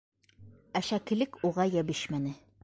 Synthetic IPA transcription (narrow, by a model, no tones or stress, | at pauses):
æʃækɘ̆lɘkuʁɑjæbɘɕmænɘ